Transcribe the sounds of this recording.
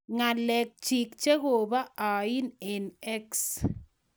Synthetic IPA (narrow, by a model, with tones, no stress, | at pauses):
ŋa˨lɛ˨k̚t͡ʃi˨kt͡ʃe˦ɣo˨ba˦ʔa˨ɪ˦nɛ˨nɛ˦ks